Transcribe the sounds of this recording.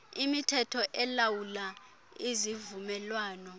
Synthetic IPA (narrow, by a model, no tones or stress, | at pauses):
imitʰɛtʰɔʔɛlawula | izivumɛlwaːnɔ